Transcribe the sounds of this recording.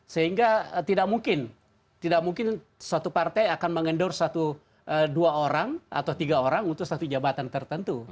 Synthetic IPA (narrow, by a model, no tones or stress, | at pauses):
səɦiŋɡat̪idak̚muŋkɪn | t̪idakmuŋkɪn | suat̪upart̪ajakanməŋəndɔrsat̪u | ʔəduaoɾaŋa̰t̪awt̪iɡaoɾaŋunt̪ʊsat̪ud͡ʒabat̪ant̪ərt̪ənt̪u